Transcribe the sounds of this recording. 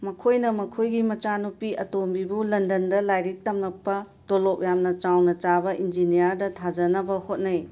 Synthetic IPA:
mɐkʰojnɐmɐkʰojɡimɐt͡ʃanupiɐtombibulɐndɐndɐlajɾik̚tɐmnɐk̚pːɐ | tolop̚jamnɐt͡ʃawnɐt͡ʃabɐʔind͡ʒinijɐɾdɐtʰad͡ʒɐnɐbɐhot̚nɐj

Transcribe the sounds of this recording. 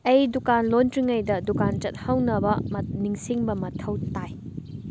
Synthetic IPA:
ɐjdukanlontɾiŋɐjdɐdukant͡ʃɐt̚hɐwnɐbɐmniŋsiŋbɐmɐtʰɐwtaj

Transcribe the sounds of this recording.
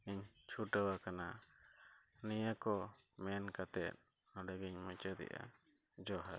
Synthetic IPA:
iɲt͡ʃʰuʈəwakana | nijəkɔmɛnkat̪ɛt̪̚ | ɔɖəɡiɲmɔt͡ʃəd̪ɛ̰ʔa̰ | d͡ʒɔɦa

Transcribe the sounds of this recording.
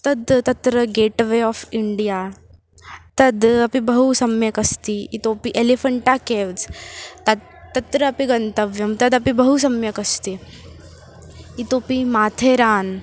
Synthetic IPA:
t̪ɐd̪t̪ɐt̪ɾəɡeːʈʋeɔːfiɳɖijaː | t̪ɐd̪ɐpibɐɦusɐmjɐkɐst̪iit̪oːpiʔelefɐɳʈakeːʋd͡zt̪ɐ | ɐt̪ɾɐːpiɡɐnt̪ɐʋjɐmt̪ɐd̪ɐpibɐɦus̬ɐmjɐkɐst̪i | it̪oːpimaːt̪ʰeːɾaːn

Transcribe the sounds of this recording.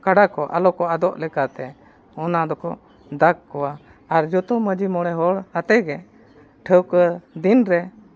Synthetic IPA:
kaɖakɔʔalɔkɔad̪ɔʔlɛkat̪ɛ | ɔnad̪ɔkɔ̰ | d̪akkːɔwa | aɾd͡ʒɔt̪ɔməd͡ʒimɔɽ̃ɛɦɔɽhat̪ɛɡɛ | ʈʰəwkəd̪inɾɛ

